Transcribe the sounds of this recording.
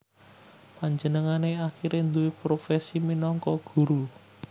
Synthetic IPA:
paɲd͡ʒənəŋaneaxiɾend̪uwepɾofɛsiminɔŋkɔɡ̥ṳɾu

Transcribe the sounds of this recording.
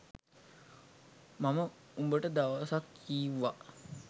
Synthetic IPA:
mamə | umbəʈəd̪aʋɐsakːiːʋːa

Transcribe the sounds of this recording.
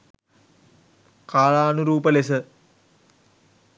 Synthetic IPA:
kaːlaːnuɾuːpəlesə

